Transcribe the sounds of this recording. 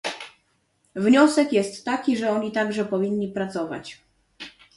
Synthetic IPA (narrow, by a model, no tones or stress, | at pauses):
vɲɔsɛkjɛst̪ːakʲiʐɛɔɲit̪aɡʐɛpɔvʲinːipɾat̪sɔva̰t͡ɕ